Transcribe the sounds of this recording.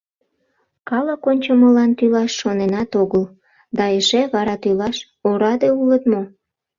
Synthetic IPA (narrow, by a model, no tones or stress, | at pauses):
kɑləkonʲt͡ɕəməlɑnt̪ylɑʃːonenɑt̪oɣəl | d̪ɑeʃeβɑɾɑt̪ylɑʃ | oɾɑd̪eulət̪mo